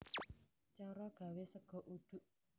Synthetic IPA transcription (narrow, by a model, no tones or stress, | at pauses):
t͡ʃaɾɔɡ̥ä̤wesəɡ̥ɔ̤ʔud̪̥ṳʔ